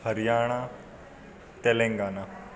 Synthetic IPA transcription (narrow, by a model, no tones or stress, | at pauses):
əɾɪjaːɽ̃a | t̪eːlẽŋɡaːnaː